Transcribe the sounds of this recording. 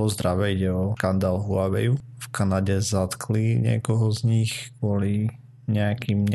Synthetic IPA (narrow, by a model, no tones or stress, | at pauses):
ɔzd̪ɾaʋɛiɟɛɔkand̪aːlɦuaʋɛjufkanaɟɛzat̪kʰliɲɪɛ̰kɔɦɔzɲixkʊɔli | ɲɛakʰimɲ